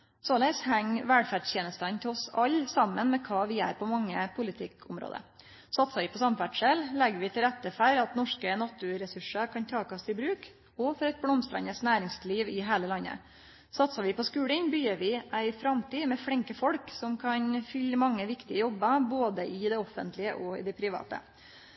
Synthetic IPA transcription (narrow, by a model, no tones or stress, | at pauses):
sɔlɛshɛŋʋæɽfæːɖjeːnəst̪ənt̪ʰɛɔsɑlːsɑmːənmɛkʰɑːʋɪæ̰ːɾpʰɔmɑŋːəpʰʊlɪt̪ʰɪkʰʊmɾo̰ːd̪ə̰ | sɑt̪sɑʋɪpʰɔsɑmfæɖʂɛllɛɡʋɪt̪ʰɪlɾɛt̪ːəfæɾɑt̪nɔʂkənɑt̪ʊɾɛsʉʂəkʰɑnt̪ʰɑːkɑst̪ɪbɾʉːk | ɔfɔɾɛɪt̪̚blɔmst̪ɾɛ̰ɲəsnæːɾɪŋsliːʋɪɦæːləlɑnːə̰ | sɑt̪sɑʋɪpʰɔskʉːlɪnbyːəɾʋɪʔæɪfɾɑmt̪iːmɛfɽɪŋkəfɔlksɔmkʰɑnfʏləmɑŋːəʋɪkt̪ɪəjɔbːəboːd̪əʔɪd̪ɛɔfːənt̪ʰlɪəʔɔɪ̰d̪ɛpʰɾɪʋɑ̰ːt̪ə̰